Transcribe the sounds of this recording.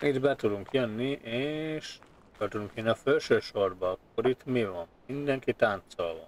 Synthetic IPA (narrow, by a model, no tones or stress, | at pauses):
it̪bɛt̪ud̪uŋkjønːiʔeːʃ | k̪ølt̪ud̪uŋkjønːiɒfølʃøːʃo̞rbɒɒkːoɾit̪mivɒnmind̪ɛŋkit̪ant̪solvɒ̰